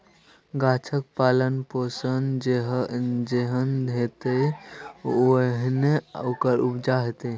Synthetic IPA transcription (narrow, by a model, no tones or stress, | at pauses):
ɡat͡ʃʰək̚palənposənd͡ʒeɦd͡ʒeɦənd̪ʱet̪e | ɦneokəɾubd͡ʒaɦet̪e